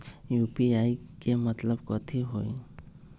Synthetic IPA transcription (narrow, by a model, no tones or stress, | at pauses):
jupiajkemət̪ləbkɔt̪ʰiɦoj